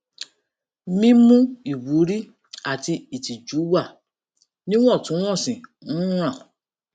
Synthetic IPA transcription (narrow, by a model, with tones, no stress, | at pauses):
mĩ˦mũ˦i˨wu˨˦ɾi˦ | a˨ti˧i˨ti˨d͡ʒu˨˦wa˦˨ | nĩ˦w̃ɔ̃˦˨tũ˨˦w̃ɔ̃˦˨sĩ˨nũ˦ɾ̃ã˦˨